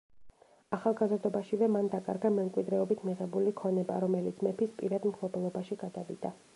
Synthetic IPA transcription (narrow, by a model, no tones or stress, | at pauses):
aχalˠɡazɾd̪ɔbaʃivɛmand̪akʼa̰ɾɡamɛmkʼwid̪ɾɛɔbit̪ʰmiʁɛbulikʰɔnɛba̰ɾɔmɛlit̪sʰmɛpʰispʼḭɾad̪mχʰlˠɔbɛlˠɔbaʃiɡ̥ad̪avḭd̪a